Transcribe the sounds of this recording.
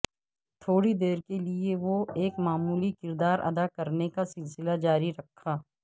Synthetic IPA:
t̪ʰoːɽid̪eːɾkelieʋoeːkmaːmuːlikɪɾd̪aːɾʔɐ̰d̪akɐɾnekasɪlsɪlad͡ʒaːɾiɾɐkʰːaː

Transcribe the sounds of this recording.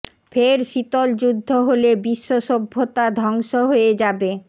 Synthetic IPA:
feɾʃit̪old͡ʑud̪ʱːoɦolebiʃːoʃobʱːot̪ad̪ʱɔŋʃoɦoed͡ʑabe

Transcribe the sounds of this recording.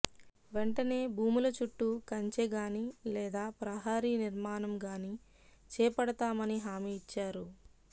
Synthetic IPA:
ʋe̞ɳʈɐne̞ːbʱuːmulɐt͡ʃuʈːukɐɲt͡ʃeɡaːnilɛːd̪aːpɾɐɦaːɾiːniɾmaːnɐmɡaːni | t͡ʃɛːpɐɽɐt̪aːmɐniɦaːmiːt͡ʃːaːɾu

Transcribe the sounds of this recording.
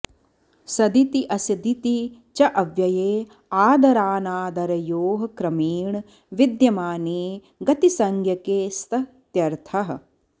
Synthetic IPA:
sɐd̪it̪iʔɐsid̪it̪i | t͡ʃɐʔɐʋjɐjeː | aːd̪ɐɾaːnaːd̪ɐɾɐjoːɦɐkɾɐmiːɳ | ʋid̪jɐmaːneː | ɡɐt̪isɐŋɡʱjɐkeːst̪ɐ | t̪jɐɾt̪ʰɐɦɐ̆

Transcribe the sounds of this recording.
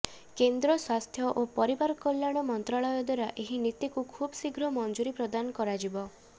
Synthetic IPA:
kend̪ɾɔswast̪ʰjɔʔopɔɾibaɾɔkɔljaɽ̃ɔmɔnt̪ɾaɭɔjɔd̪waɾaʔeɦinit̪ikukʰubɔsiɡʱɾɔmɔnd͡ʒuɾipɾɔd̪anɔkɔɾad͡ʒibɔ

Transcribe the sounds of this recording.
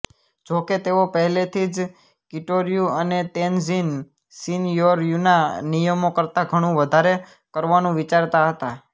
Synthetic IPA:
d͡ʒoket̪eopəɦɛlet̪ʰid͡ʒ | kɪʈoɾijuənet̪enzin | sinjoɾjunanijəmokəɾt̪aɡʱəɽ̃ũʋəd̪ʱaɾe | kəɾʋanũʋit͡ʃaɾt̪aɦət̪a

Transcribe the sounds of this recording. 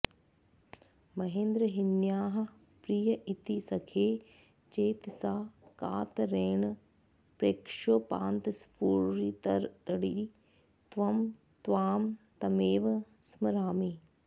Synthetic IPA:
mɐɦẽːnd̪ɾəɦɪnjaːɦ | pɾijɐʔɪt̪iːsɐkʰeː | t͡ʃeːt̪sãːkaːt̪ɾeːɽ̃ | pɾeːkʃoːpãːnt̪spuːɾɾiːt̪ɐɾt̪əɽiː | t̪ʋɐm | t̪ʋaːmt̪ɐmeːʋ | sməɾaːmiː

